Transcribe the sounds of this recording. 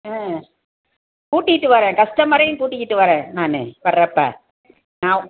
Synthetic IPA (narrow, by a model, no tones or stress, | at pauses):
aː | kuːʈːɪkːɪʈːɯʋɐɾẽːkɐsʈɐmɐɾɐjɯ̃mkuːʈːɪkːɪʈːɯʋɐɾẽːnaːnɯ̰ʋɐɾːɐpːa̰ː | nãː